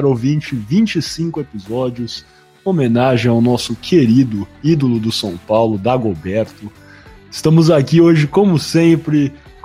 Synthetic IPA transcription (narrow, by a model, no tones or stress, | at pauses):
aɾowvĩt͡ʃɪvĩt͡ʃɪsĩŋkʊepizɔd͡ʒiʊs | omẽnaʒẽj̃awnɔsʊkʰeɾid̪ʊid̪olʊd̪ʊsɐ̃w̃pawlʊd̪aɡobɛɾt̪ʊ | ɪst̪ɐ̃mʊzakioʒɪkõmʊsẽpɾɪ